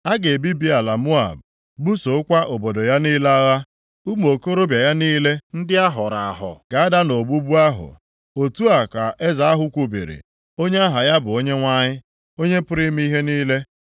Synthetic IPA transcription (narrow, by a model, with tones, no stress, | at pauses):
a˦ɡe˨bi˦bi˦a˨la˨mu˦a̰˨b̚ | bu˦so˨˦kʷa˦ʔo˨bo˨dɔ˨ja˦niː˦la˦ɣa˦ | u˦m˦o˨ko˦ɾo˦bja˨ja˦niː˦le˦n̩˦dɪ˦a˦ɦʊ˨ɾa˨a˨ɦʊ̰˨ɡ̥a˨a˦da˦no˨bu˦bu˦a˦ɦʊ̰˨ | o˨tu˦a˨ka˨e˦za˨a˦ɦʊ˦kʷu˨˦bḛ˨ɾḭ˨ | o˦ɲe˦a˦ɦa˨ja˦bʊ˨o˦ɲe˦ŋʷa˦ɲɪ˦ | o˦ɲe˦pʊ˦ɾi˦m˦i˦ɦe˦niː˦le˦